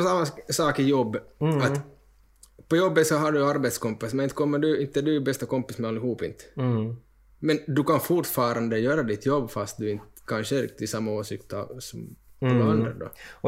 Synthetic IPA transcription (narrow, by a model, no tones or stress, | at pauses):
ɔsamːasɑːkɪjɔbːat̪ | pʰɔjɔbːət̪sɔɦaɖʉjaɾbɛt̪skɔmpːɪsmɛnɪnt̪kʰɔmːəɖɵɪnt̪ːəd̪ʉbɛst̪akɔmpːɪsmɛalːɪhuːpɪ̰nt̪ | mɛnd̪ʉkʰanfʊʈfɑːɾand̪əjøːɾad̪ɪt̪ʰjɔbːfast̪̚d̪ɵɪnt̪kʰanʂəɾɪ̰kt̪ɪsamːaoːsɪkt̪ɑ̰sɔmɔnːaand̪ɾa̰d̪ɔ̰